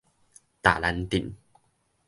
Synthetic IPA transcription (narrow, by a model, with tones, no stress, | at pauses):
t̪a̰ː˨˩la˧˦nt̪i˨˩n